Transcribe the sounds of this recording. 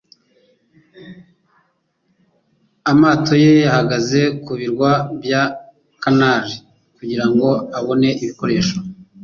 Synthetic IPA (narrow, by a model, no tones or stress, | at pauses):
amaːto̞je̞jahaɡaze̞kuβiɾɡwabja | kanaːʒi | kuɟiɾaŋɡo̞aβo̞ne̞ʔiβiko̞ɾe̞ːʃo